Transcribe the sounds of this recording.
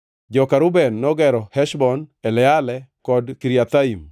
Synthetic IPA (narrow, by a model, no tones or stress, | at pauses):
d͡ʒɔkaɾʊbɛnːɔɡɛɾɔhɛʃbɔnɛlɛalɛkɔdkiɾiat̪aim